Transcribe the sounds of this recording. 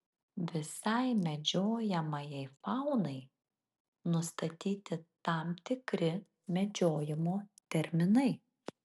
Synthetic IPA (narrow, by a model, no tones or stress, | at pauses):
ʋʲɪsɐɪmʲɛd͡ʒʲoːjɛmɐjɛɪfɑʊnɐɪ | nʊst̪ɐt̪ʲiːt̪ʲɪt̪ɑmt̪ʲɪkɾʲɪ | mʲɛd͡ʒʲoːjɪmoːt̪ʲɛɾʲmʲɪnɐɪ